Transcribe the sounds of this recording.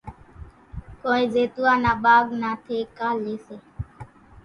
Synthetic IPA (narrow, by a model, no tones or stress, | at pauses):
koːĩːzeːt̪uãːnãːɓaːɡnaːt̪ʰeːkaːleːseː